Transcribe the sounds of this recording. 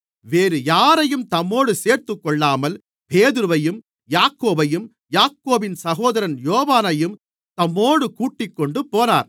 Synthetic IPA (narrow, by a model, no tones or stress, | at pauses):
ʋeːɾɯjaːɾɐjɯmt̪ɐmːoːɽɯseːɾt̪ɯkːɔɭːaːmɐl | peːðɯɾɯʋɐjɯm | jaːkːoːbɐjɯm | jaːkːoːbɪnsɐɣoːðɐɾɐnjoːʋaːnɐjɯm | t̪ɐmːoːɽɯkuːʈːɪkːɔɳɖɯpoːna̰ːɾ